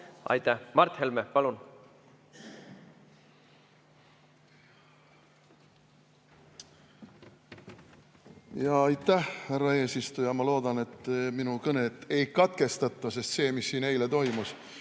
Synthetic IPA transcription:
ɑ̰jt̪æhmɑrt̪helmepɑlun | jɑɑjt̪ːˑæhhærːɑe̞ːsist̪ujɑmɑlo̞ːd̪̥ɑne̞t̪ːminukɤne̞t̪ːˑe̞jkɑt̪̚ke̞st̪ɑt̪ˑːɑse̞st̪se̞ːmisːiːne̞jlet̪o̞jmus

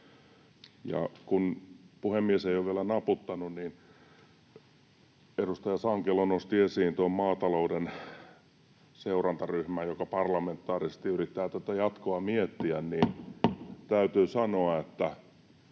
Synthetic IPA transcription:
jɑ̰kunpuhemːieseioʋielænɑput̪ːɑnunin | edust̪ɑjɑsɑŋkelonost̪iesiːnt̪uommɑːt̪ɑlouden | seurɑnt̪ɑryhmæjjokɑpɑrlɑment̪ːɑːrisest̪iyrit̪ːæːt̪æt̪æjɑt̪koɑmiet̪ːiænniːn | t̪æyt̪yːsɑnoɑet̪ːæ

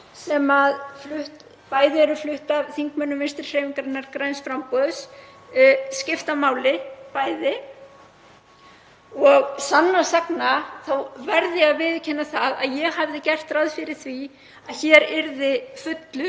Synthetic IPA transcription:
sɛmaðflʏht̪ | paːjðɪɛɾʏflʏht̪avθiŋkmœnːʏvɪnst̪ɪɾ̥feːjmiŋkaɾɪnːaɾkɾajnsfɾampɔðs | scɪft̪amaːwlɪpaːjðɪ | ɔɣsanːasaknaθawvɛɾðɪaðvɪðʏcʰɛnːaθaða̰ðjɛɣhavðɪcɛr̥t̪ɾaðfɪɾɪɾ̥θvi | aðçɛːɾɪɾðɪfʏt̪lʏ

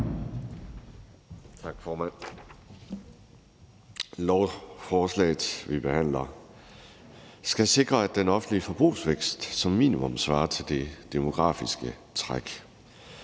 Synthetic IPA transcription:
t͡sʰɑ̈ɡ̥fɒːmæn̰ | lɒʊfɒːslɛ̰ːɪð̩ˠʋib̥e̝hæn̰lɐ | sɡ̥æse̝ɡ̥ʁɐæd̥enɒ̽fn̩dliəfɒ̽b̥ʁṵːsʋeɡ̥sd̥sɒ̽mːḭːnimɔ̽msʋɑ̈ːɐt͡sʰe̝ld̥e̝d̥emo̝ɡ̥ʁɑ̰̈ːfisɡ̥ə | t͡sʰʁaɡ̥

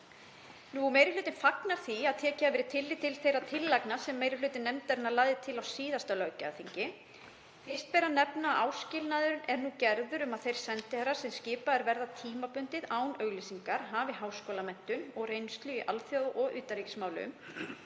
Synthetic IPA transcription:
numejɾɪflʏːt̪ɪnfaknaɾ̥θiaðt̪ʰɛːcɪavɛːɾɪt̪ʰɪlːɪt̪ʰɪlθejɾaðt̪ʰɪlːaknasɛmːeːjɾɪlʏːt̪ɪnːɛmt̪aɾɪnalaːɣðɪt̪ʰɪlawsiːðast̪alœːɥcaːθiɲcɪ | ɪst̪̚pɛːɾanɛpnaʔaːwscɪlnaðʏɾʏnʔɛɾnucɛɾðʏɾʏmaðθejɾ̥sɛnt̪ɪhɛrːḁsɛmscɪːpaɛɾvɛɾðat̪ʰiːmapʏnt̪ɪðaːwnœɣlisiŋkaɾ̥ɦavɪɦaːwskoːwlamɛn̥t̪ʏmɔɣreːjnst̪lʏiʔa̰lfjoːðʔɔɣʏːt̪aɾicɪ̥smaːwlʏʏ̰m

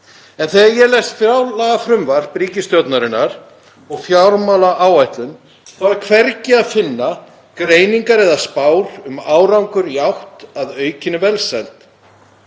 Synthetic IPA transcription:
ɛnθejajɛlɛst̪fjawlaɣafɾʏmvaɾ̥pɾiːcɪst̪jɔwt̪naɾɪnːaɾ̥ | ɔɣfjawɾmawlaʔaːwajht̪lʏn | θawɛɾkʰvɛɾcɪaðfɪnːa | kɾeːjniŋkaɾɛðaspaːwɾʏmaːwɾawŋkʏɾjawht̪aðœːɥcɪnːʏvɛlsɛlt̪

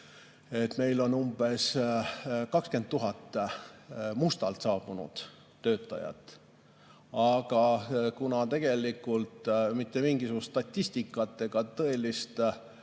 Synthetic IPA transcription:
e̞t̪me̞jlo̞numb̥e̞s | kɑkske̞nd̪t̪tːuɦɑt̪ːˑ | must̪ɑlt̪sɑːb̥unṵd̪̥ː | ø̞ːt̪ːˑɑ̰jɑ̰t̪ːˑ | ɑɡ̥ɑkunɑt̪e̞ɡ̥e̞likːˑult̪mit̪ˑːe̞miŋɡ̥isuɡ̥usst̪ɑt̪ʲːist̪ikːˑɑt̪ːˑe̞ɡ̥ɑt̪ɤ̞e̞list̪

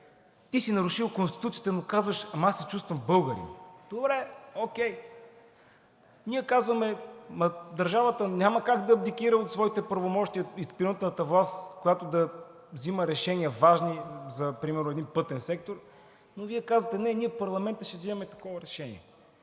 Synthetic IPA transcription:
t̪isinɐɾuʃilˠkonst̪i̥t̪ut̪sit̪ɛnokazvəʃɐmasɛt͡ʃust̪vɐmbɤlˠɡəɾḭmd̪obɾɛok̟ɛj | niɛkazvəmɛmɐd̪ɐɾʒavət̪ənʲaməkaɡd̪ɐːb̚d̪ikiɾəot̪svɔit̪ɛpɾɐvomɔʃt̪iəispiɾət̪nət̪əvlˠast̪kojat̪od̪ɐ | vziməɾɛʃɛniəvaʒnizɐpɾimɛɾnʊɛd̪inpɤt̪ɛnsɛk̚t̪oɾ | noviɛkazvət̪ɛnɛnʲiɛfpɐɾlˠɐmɛnt̪əʃɛvzimɐmɛt̪ɐkɔvəɾɛʃɛnḭɛ̰

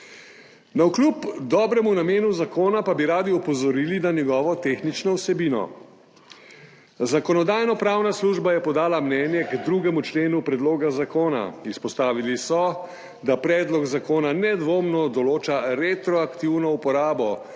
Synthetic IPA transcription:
nauklupd̪ɔːbɾɛmunameːnuzakoːnapabiɾaːd̪iɔpɔzɔɾiːlinanjɛɡɔːʋɔt̪eːxnit͡ʃnɔwsɛbiːnɔ̰ | zakɔnɔd̪aːjnɔpɾaːwnasluːʒbajɛpɔd̪aːlamnɛːnjɛɡd̪ɾuɡɛmut͡ʃleːnupɾɛd̪loːɡazakoːna̰ispɔst̪aːʋilisɔ | d̪apɾɛːd̪lɔɡzakoːnanɛd̪ʋoːmnɔd̪ɔloːt͡ʃaɾet̪ɾɔakt̪iwnɔupɔɾaːbɔ

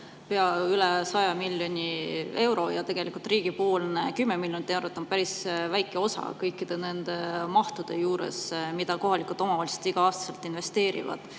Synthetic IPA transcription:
peɑylesɑjɑmilʲjo̞nʲie̞wɾo̞jɑt̪e̞ɡ̥elikult̪ˑriːɡ̥ipo̞ːlnekymːemiljonʲit̪ːˑewɾot̪ːˑonpæɾisvæjkːˑe̞o̞sɑ̰kɤjkːˑid̪̥e̞nend̪̥e̞mɑht̪ud̪̥e̞juːɾḛsmid̪̥ɑko̞ɦɑlikult̪ˑo̞mɑvɑːlise̥t̪iɡ̥ɑɑːst̪ɑ̥selt̪ːˑinve̞st̪e̞ːɾḭvɑ̰d̪̥

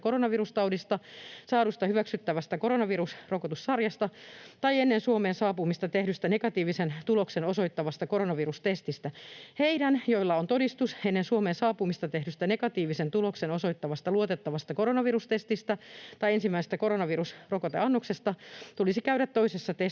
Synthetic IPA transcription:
koɾonɑʋirust̪ɑwdist̪ɑsɑːɾust̪ɑhyʋæksyt̪ːæʋæst̪ækoɾonɑʋirusrokot̪ussɑrjɑst̪ɑt̪ɑienːensuomeːnsɑːpumist̪ɑt̪ehdyst̪ænekɑt̪iːʋisent̪uloksenoso̞it̪ːɑʋɑst̪ɑkoɾonɑʋirust̪est̪ist̪æheidænjoilːɑont̪odist̪usenːensuomeːnsɑːpumist̪ɑt̪ehdyst̪ænekɑt̪iːʋisent̪uloksenoso̞it̪ːɑʋɑst̪ɑluot̪et̪ːɑʋɑst̪ɑkoɾonɑʋirust̪est̪ist̪æt̪ɑiensimːæisest̪ækoɾonɑʋirusrokot̪ḛɑnːoksest̪ɑt̪ulisikæyɾæt̪t̪oisesːɑt̪e

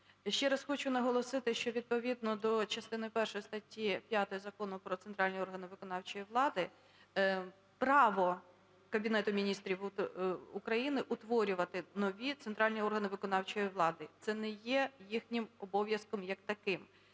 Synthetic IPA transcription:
ʃt͡ʃɛɾɐsxɔt͡ʃʊnɐɦɔlˠɔsɪt̪ɪʃt͡ʃɔʋʲid̪̚pɔʋʲid̪̚nɔd̪ɔt͡ʃɐst̪ɪnɪjpɛrʃɔjist̪ɐtʲːipʲjat̪ɔjizɐkɔnʊpɾɔt̪sɛnt̪ɾɑlʲnʲiɔrɦɐnɪʋɪkɔnɑwt͡ʃɔjiʋlˠɑd̪ɪ | pɾɑʋɔ | kɐbʲinɛt̪ʊmʲinʲist̪ɾʲiw | ʊkɾɐjinɪʔʊt̪ʋɔɾʲʊʋɐt̪ɪnɔʋʲit̪seɛnt̪ɾɑlʲnʲiɔrɦɐnɪʋɪkɔnɑwt͡ʃɔjiʋlˠɑd̪ɪt̪sɛnɛjɛjixnʲɪmɔbɔʋʲjɐskɔmjɐkt̪ɐkɪm

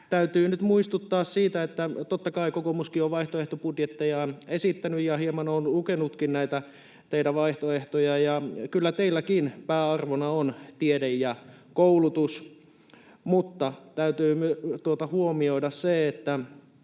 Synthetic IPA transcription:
t̪æyt̪yːnyt̪muist̪ut̪ːɑːssiːt̪æet̪ːæt̪ot̪ːɑkɑikokomuskioʋʋɑiht̪oeht̪opudjet̪ːejɑnesit̪ːænyjjɑhiemɑnonlukenut̪kinnæit̪æ | t̪eitæʋɑiht̪oeht̪ojɑjɑkylːæt̪eilːækinpæːɑrʋonɑont̪iedejjɑ | koulut̪us | mut̪ːɑt̪æyt̪yːmyøt̪uot̪ɑhuomioidɑsseet̪ːæ

